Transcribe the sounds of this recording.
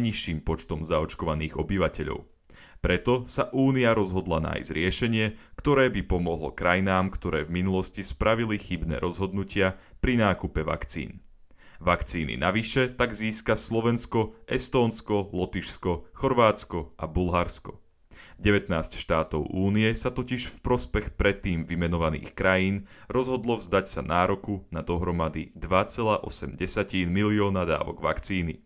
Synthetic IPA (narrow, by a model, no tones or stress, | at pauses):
ɲiʃːiːmpɔt͡ʃt̪ɔmzaɔt͡ʃkɔʋaniːɣɔbiʋacɛʎɔ̰ʊ | pɾɛt̪ɔsaʔuːniaɾɔzɦɔd̪lana̰ːjzɾɪɛʃɛɲɪɛkt̪ɔɾɛːbipɔmɔɦlɔ̰kɾajnaːmkt̪ɔɾɛːvminulɔscispɾaʋilixibnɛ̰ːɾʔɔzɦɔd̪nucɪapɾinaːkupɛʋa̰kt͡sḭːn | ʋakt͡siːnḭnʔaʋiʃɛt̪aɡziːskaslɔʋɛnskɔʔɛst̪ɔːnskɔlɔt̪iʃskɔxɔɾʋaːt͡skɔʔa̰bulɦaɾskɔ | ɟɛʋɛt̪naːscʃt̪aːt̪ɔʊʔuːniɛsat̪ɔciʃfpɾɔspɛxpɾɛt̪ːiːmʋimɛnɔʋanḭːxkɾajiːnɾɔzɦɔd̪lɔvzd̪acsa̰naːɾɔkunad̪ɔɦɾɔmad̪id̪ʋat͡sɛlaːʔɔsɛmɟɛsaciːnmiliɔːnad̪a̰ːʋɔ̰ɡʋa̰kt͡siːnḭ